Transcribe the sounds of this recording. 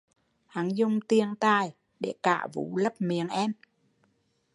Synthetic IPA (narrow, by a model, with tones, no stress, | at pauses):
ha˨˦ŋzʊ˧ŋ͡mt̪i˧əŋt̪aː˧j | ɗe˧˩kaː˧˩vṵ˨˦lə˦˥p̚mi˨˩əŋʔɛ˧m